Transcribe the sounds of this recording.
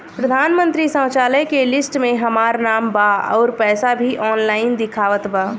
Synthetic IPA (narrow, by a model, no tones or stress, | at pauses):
pɾəd̪ʱaːnmə̃nt̪ɾisə̃ːt͡ʃaːləjkelɪsʈmẽɦɐmaːɾnaːmbaːɔːɾpɛːsabʱiʔɔːnlaːɪnd̪ɪkʰaːʋət̪baː